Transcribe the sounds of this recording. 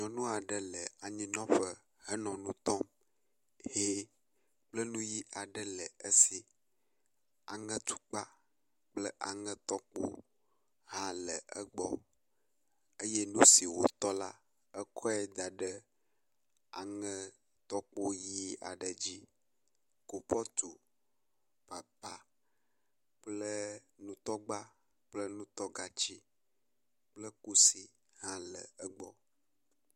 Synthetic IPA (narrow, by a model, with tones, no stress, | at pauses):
ɲɔ̃˨nũ˦a˨ɖə˦lə˨a˨ɲĩ˦nɔ̃˦ɸə˨ | hə˦nɔ̃˨nũ˦t̪ɔ˦m | he˦ | k͡plə˦nũ˦ji˦ʔa˨ɖə˦lə˨ə˦si˨ | a˨ŋə̃˦t̪u̥˦k͡pa˦ | k͡plə˦ʔa˨ŋə̃˦t̪ɔ˦k͡po̰˦ | ɦã˦lə̰˨ʔə˦ɡ͡bɔ̰˨ | ə˦jɛ˦nũ˦si˨wo̰˨t̪ɔ˦la̰˦ | ɛ˦kʰɔ˦ɛ˦d̪a˨ɖə˦ | a̰˨ŋə̃˦ | t̪ɔ˦k͡po˦ji˦a̰˨ɖə˨d͡ʑi˦ | ko˨pɔ˦t̪u˨ | pa˨pa˨ | k͡plə˦nũ˦t̪ɔ˦ɡ͡ba˦ | k͡plə˦nũ˦t̪ɔ˦ɡa˨t͡ɕi˦ | k͡plə˦ku˦si˨ | ɦã˦lə̰˨ə˦ɡ͡bɔ˦